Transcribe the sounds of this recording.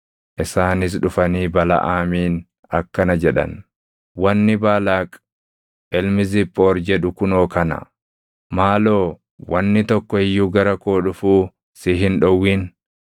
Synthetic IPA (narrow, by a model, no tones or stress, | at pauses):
ʔɪsaːnɪs̬ᶑʊfɐniːbɐlɐ̰ʔaːmiːn | ɐkːɐnɐd͡ʒɛᶑɐ̰n | wɐnːɪbaːlaːkʼ | ʔɛlmɪzɪpʼːoːɾd͡ʒɛᶑʊkʊnoːkɐnɐ̰ | maːloː | wɐnːɪt̪ɔkːɔɪjːuːɡɐɾɐkoːᶑʊfuː | sɪɦɪnᶑɔwːiːn